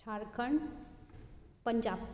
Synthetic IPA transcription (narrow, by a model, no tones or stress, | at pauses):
aɾkʰəɳ | pəɲd͡ʒab